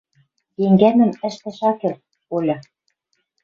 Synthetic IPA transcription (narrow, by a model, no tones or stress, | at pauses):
jeŋɡænɘ̆mɘ̆ʃt̪ɘ̆ʃɑkĕr | olʲɤ̆